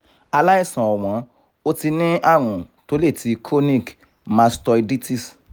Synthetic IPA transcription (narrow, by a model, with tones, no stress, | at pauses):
a˧la˦i˦˨sã˨ɔ˨w̃ɔ̃˨˦ | o˦ti˧nĩ˦a˦˨ɾ̃ũ˨to˨˦le˦˨tʰi˨˧kʰo˦nĩ˦˨k | mã˧stɔ˧i˧di˦ti˦˨s